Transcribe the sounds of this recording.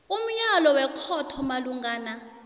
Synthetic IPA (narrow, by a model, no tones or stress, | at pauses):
um̩ɲalɔwɛkʰɔtʰɔmaluŋɡaːna